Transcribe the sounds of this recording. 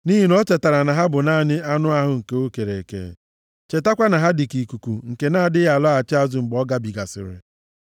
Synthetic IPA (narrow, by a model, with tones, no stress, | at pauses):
ni˦ɦi˨n˦ɔ˦t͡ʃe˨ta˨ɾa˨na˨ɦa˦bʊ˨na˦˨nɪ˦a˦nʊ˦a˦ɦʊ˨ŋ̩˨ke˨o˦ke˨ɾe˨kḛ˨ | t͡ʃe˨ta˦kʷa˦na˨ɦa˦dɪ˨ki˨ku˨ku˨ŋ̩˨ke˨na˦˨dɪ˦ja˨lɔ˦a˨t͡ʃɪ˦a˦zʊ˨ŋ͡m̩˨ɡ͡bɔ˦ɡa˦bi˨ɡa˨sɪ̰˨ɾɪ̰˨